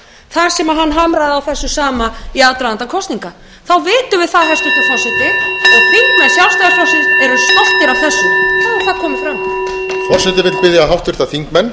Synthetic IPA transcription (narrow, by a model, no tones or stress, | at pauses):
θaɾ̥sɛmaɦanːɦamɾajðawθɛsːʏsaːmaiat̪ɾaðant̪akʰɔst̪niŋka | θawvɪːt̪ʏvɪðθaðɦɛst̪ʏht̪ɔfawsɪt̪ɪɔɣθiŋkmɛnsjalfst̪aðaɾfawsɪɾt̪ɛɾʏst̪al̥t̪nɪɾawθɛsːʏkʰaɾ̥θaðkʰɔːmɪfɾamt̪ʰil | fɔr̥sɛt̪ɪvɪt̪lpɪðjaɦawht̪vɪɾ̥t̪aθiŋkmɛnː